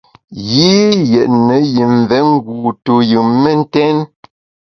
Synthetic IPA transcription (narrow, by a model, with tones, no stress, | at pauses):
jiː˦jɛ˨ʔnə˨˦ji˨m˨vɛ˨˦ŋ˦ɡuː˨to˨jɯ˨me˦˨n̩˦tɛ˦n